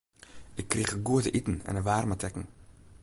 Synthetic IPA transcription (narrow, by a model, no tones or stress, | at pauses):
ɪkːriːχəɡuətə̰ʔitn̩ɛ̰nəʋaːrmatɛkəŋ̩